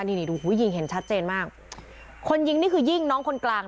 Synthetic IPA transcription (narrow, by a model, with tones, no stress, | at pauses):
ni˧ni˧˩duː˧huː˨˦˥jːi˧ŋɦe˩˦nt͡ɕʰa˦˥t̪̚t͡ɕeː˧nmaː˥˩k̚ʰ | o˧nji˧ŋniː˥˩kʰɯː˧ji˥˩ŋnɔː˦˥ŋkʰo˧nklaː˧ŋ